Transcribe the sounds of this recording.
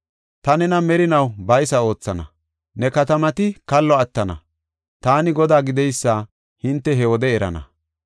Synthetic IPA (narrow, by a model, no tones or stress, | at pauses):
t̪ɐnɛnɐmɛɾɪnɐwbɐjsɐo̞ːt͡sːɐnɐ̰ | nɛkɐt̪ɐmɐt̪ɪkɐlːɔɐt̪ːɐnɐ̰ | t̪aːnɪɡɔd̪aːɡɪd̪ɛjsːaː | hɪnt̪ːɛɦɛwɔd̪ɛɛɾɐ̰nɐ̰